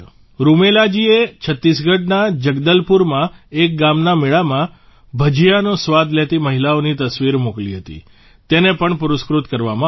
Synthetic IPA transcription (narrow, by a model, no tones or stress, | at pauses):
ɾumelad͡ʒiet͡ʃʰət̪ːisɡəɖ̚nad͡ʒəɡd̪əlpuɾmãek̚ɡamnameɭamã | bʱəd͡ʒijanõsʋad̪ʱlet̪iməɦilaonit̪əsʋiɾmokliɦət̪ḭ | t̪enepəɳpʊɾʊskɾut̪kəɾʋamã